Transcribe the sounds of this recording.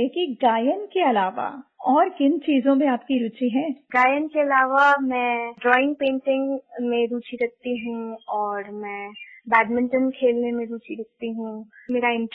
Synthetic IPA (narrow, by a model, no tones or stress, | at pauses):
eːkiɡaːjənkeɐlaːʋa̰ɔːɾkɪnt͡ʃiːzõmẽaːpkiɾuːt͡ʃiɦɛːɡaːjənkeɐlaːʋamɛ̃ːɖɾɔːɪ̃ŋɡ̚pẽːɳʈɪ̃ŋɡmẽɾuːt͡ʃiɾɐk̚t̪iɦũɔːɾmɛ̃bɛːɖmɪ̃ɳʈənkʰeːlnẽmẽɾuːt͡ʃiɾɐk̚t̪iɦũmeːɾaɪ̃ɳʈ